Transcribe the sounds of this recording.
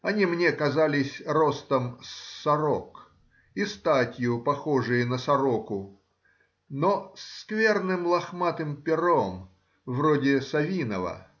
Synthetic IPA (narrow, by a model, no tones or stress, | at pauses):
ɐnʲimnʲekɐzalʲɪsʲrost̪əmsɐɾok | ist̪atʲjʊpɐxoʐɨjənəsɐɾokʊ | noskvʲe̞rnɨmlˠɐxmat̪ɨmpʲɪɾom | vrodʲɪsɐvʲinəvə̰